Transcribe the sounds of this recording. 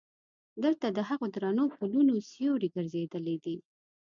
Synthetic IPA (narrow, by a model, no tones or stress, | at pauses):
d̪əlt̪ad̪əɦaɣod̪ɾɑnopulunosjoɽiɡəɾzed̪əled̪i